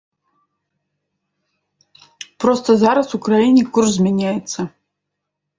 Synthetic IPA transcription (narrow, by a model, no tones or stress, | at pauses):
prost̪ɐzaɾɐsukrajinʲikʰurszmʲenʲajɛt̪sɐ